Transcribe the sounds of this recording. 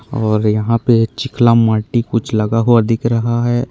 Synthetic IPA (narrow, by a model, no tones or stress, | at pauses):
ɔːɾjɐɦãpet͡ʃɪklamaːʈikʊt͡ʃʰlɐɡaɦoɐd̪ʱɪkɾɐɦaɦɛː